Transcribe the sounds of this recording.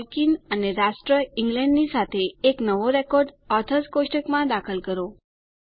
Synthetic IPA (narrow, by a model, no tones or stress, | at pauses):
lkinəneɾaʃʈɾəiŋɡlɛɳɖnisat̪ʰeːknəʋoɾɛkɔɾɖ | ɔt̪ʰəskoʃʈəkmãd̪akʰəlkəɾo